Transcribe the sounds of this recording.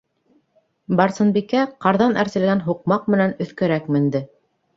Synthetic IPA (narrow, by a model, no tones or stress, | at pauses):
bɑɾsɤ̆nbikæqɑɾðɑnæɾsɘ̆lɡænɦuq̚mɑq̚mɘ̆nænɵ̆θkɘ̆ɾækmɘ̆nd̪ɘ